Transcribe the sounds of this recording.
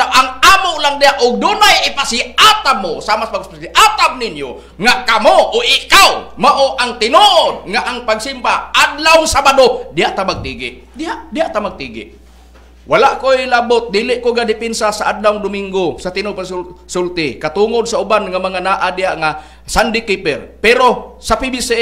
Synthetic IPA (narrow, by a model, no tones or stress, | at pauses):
t̪aʔaŋamʊʔlaŋdɪjaʔʊɡ̚dunajɪpasɪat̪amːʊsamasmaɡasiʔat̪ab̚ninjʊ | ŋaʔkamoʔʊʔɪkawmaʔoʔaŋt̪ɪnuʔod̚ŋaʔaŋpaɡsimbaadlawŋsabadodɪɦaʔt̪amaɡ̚t̪iɡɪ̰ʔ | dɪɦaʔdɪɦaʔt̪amaɡ̚t̪iːɡɪ̰ʔ | walaʔkojlabot̪̚d̪iːlɪʔkoɡadɪpɪnsasaʔadlawŋd̪ʊmɪŋɡosat̪ɪnopassʊlt̪ɪkat̪uŋod̪̚saʊbanŋamaŋanaːʔadɪɦaʔŋa | sandɪkipɛrpɛɾosapibis